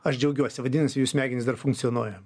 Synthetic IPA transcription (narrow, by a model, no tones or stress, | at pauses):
ɐʃd͡ʒʲɛʊɡʲuɔsʲɪʋɐd̪ʲinɐsʲɪjuːsmʲæːɡʲɪnʲɪsd̪ɐrfʊŋkt̪sʲɪɔnuɔːjɛ